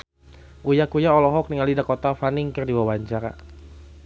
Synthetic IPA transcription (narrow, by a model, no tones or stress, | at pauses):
ujakujaɔlɔɦɔk̚niŋalidakot̪afaniŋkɨrdiwawaɲt͡ʃaɾa